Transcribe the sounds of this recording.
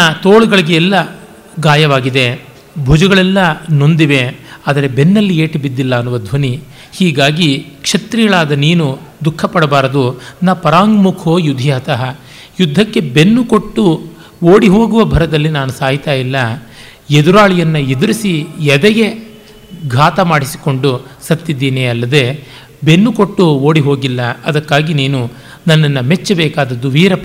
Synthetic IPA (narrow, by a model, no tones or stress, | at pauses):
ɐt̪oːɭuɡɐɭiɡeɛlːɐ | ɡaːjɐʋaːɡid̪e̞ | bʱud͡ʒɐɡɐɭɛlːɐno̞nd̪iʋe̞aːd̪ɐɾe̞be̞nːɐlːieːʈibid̪ːilːɐːnːuʋɐd̪ʱʋɐni | hiːɡaːɡikʂɐt̪ɾiɡɐɭaːd̪ɐniːnud̪ukʰːɐpːɐɽɐbaːɾɐd̪unapɐɾaːŋɡmukʰoːjud̪ʱːijaːt̪ɐɦɐ | jud̪ʱːɐkːe̞be̞nːuko̞ʈːu | oːɽiɦo̞ːɡuʋɐbʱɐɾɐd̪ɐlːinaːnusaːɦit̪aːjilːɐ | ed̪uɾaːɭijɐnːɐed̪uɾisijɛd̪ɛɡe̞ | ɡʱaːt̪ɐmaːɽisi̥ko̞ɳɖusɐt̪ːid̪ːiːneːɐlːɐd̪e̞ | be̞nːuko̞ʈːuo̞ːɽiɦo̞ːɡilːɐɐd̪ɐkːaːɡiniːnu | nɐnːɐnːɐmet͡ʃːɐbɛːkaːd̪ɐd̪ːuʋiːɾɐp